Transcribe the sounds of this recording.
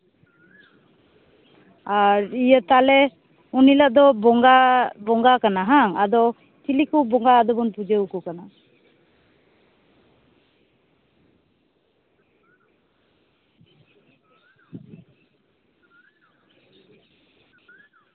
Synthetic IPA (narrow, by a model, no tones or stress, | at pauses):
aɾijət̪alɛ | unilaʔd̪ɔbɔŋɡabɔŋɡakanaɦaŋad̪ɔ | t͡ʃilikubɔŋɡaːd̪ɔbɔnpud͡ʒeukɔkana